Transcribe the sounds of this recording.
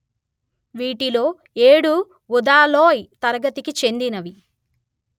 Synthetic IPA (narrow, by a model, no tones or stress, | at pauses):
ʋiːʈilo̞ː | e̞ːɽu | ud̪aːloːjt̪ɐɾɐɡɐt̪ikit͡ʃe̞nd̪inɐʋi